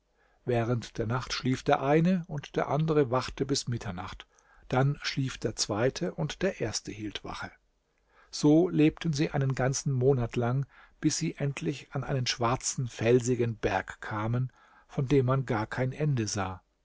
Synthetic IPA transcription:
vɛːʁəntd̥eːɐnaχtʃliːfd̥eːɐʔaɪnəʊntd̥eːɐʔandəʁəvaχtəbɪsmɪtʰɐna̰χt | d̥anʃliːfd̥eːɐt͡sv̥aɪtʰəʔʊntd̥eːɐʔeːɐstəhiːltv̥a̰χə | z̥oːleːp̚tən̩ziːʔaɪnənɡant͡sn̩moːnatlaŋ | b̥ɪsz̥iːʔɛntʰlɪçanʔa̰ɪnənʃv̥aɐt͡sn̩fɛlzɪɡənbɛɐkkʰːaːmən | fɔndeːmːanɡaːɐkʰaɪnʔɛndəzaː

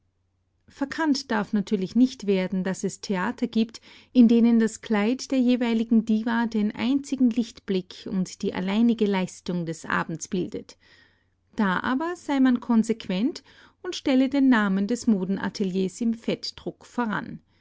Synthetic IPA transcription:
fɛɐkʰantd̥aɐfnatʰyːɐlɪçnɪçtv̥eːɐdn̩dasɛstʰeaːtʰɐɡiːpt | ʔɪndeːnəndaskʰl̥aɪtd̥eːɐjeːvaɪlɪɡŋ̩diːvadeːnʔa̰ɪnt͡sɪɡŋ̩lɪçtb̥lɪkʰʊ̰ntd̥iːʔa̰laɪnɪɡəlaɪstʊŋdɛsʔa̰ːbm̩t͡sb̥ɪldə̰t | d̥aːʔa̰ːbɐz̥aɪmankʰɔnzekv̥ɛnt | ʊntʃtɛlədeːnːaːməndɛsmoːdn̩ʔa̰tʰəljeːsɪmfɛtd̥ʁʊkfoːɐʁa̰n

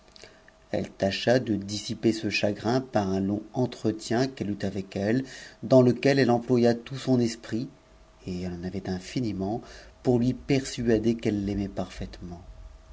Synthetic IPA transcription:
ɛ̰lt̪aʃad̪əd̪isipesəʃaɡʁɛ̃paʁɛ̃lɔ̃ɑ̃t̪χət̪jɛ̃kɛlyt̪avɛkɛld̪ɑ̃ləkʲɛlɛlɑ̃plwajat̪usɔ̃nɛspχi | eɛlɑ̃navɛt̪ɛ̃finimɑ̃puʁlɥipɛʁsyad̪ekɛlːɛmɛpaʁfɛt̪mɑ̃

